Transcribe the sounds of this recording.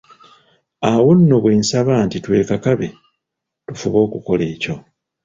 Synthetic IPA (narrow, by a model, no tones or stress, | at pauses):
awunːoβweːnsaβaːntitwe̞ːkakaβe̞ | tufuβo̞ːkuko̞le̞ːco̞